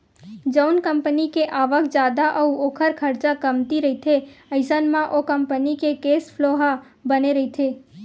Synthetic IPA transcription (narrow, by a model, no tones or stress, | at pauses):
d͡ʒəwnkəmpənikeʔaʋəkd͡ʒaːd̪aʔəuokʰəɾkʰəɾt͡ʃakəmt̪iɾəɦit̪ʰeəɪsənmãʔokəmpənikekespʰloɦa | bəneɾəɦit̪ʰe